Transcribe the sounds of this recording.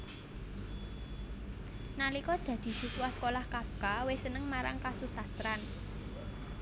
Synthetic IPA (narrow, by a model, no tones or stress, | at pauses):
nalikɔd̪̥ä̤d̪̥i̤siswahskolahkab̚kawesənəŋmaɾa̰ŋkasusast̪ɾan